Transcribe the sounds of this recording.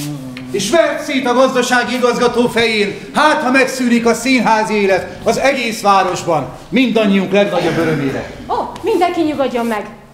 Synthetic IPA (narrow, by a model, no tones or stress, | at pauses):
eːʃʋɛlɛk̪siːt̪ɒɡɒzd̪ɒʃaːɡiiɡɒzɡɒt̪oːfɛjeːn | haːt̪hɒmɛksyːɾikɒsiːnɦaːzieːlɛt̪ | ɒzɛɡeːsʋaːɾo̞ʒbɒn | mind̪ɒɲːijuŋklɛɡnɒɟo̞bːøɾømeːɾɛ̰ | omind̪ɛŋkiɲuɡoɟːomːɛɡ